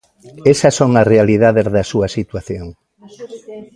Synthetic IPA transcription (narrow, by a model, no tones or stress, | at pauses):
esɐsːoŋɐsrealiðaðezðɐsuɐsit̪waθjoŋ